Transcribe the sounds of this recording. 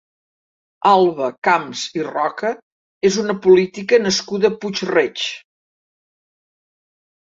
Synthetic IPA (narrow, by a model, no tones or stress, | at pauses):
alˠβəkamzirɔkə | ezunəpulit̪ikənəskuðəput͡ʃret͡ʃ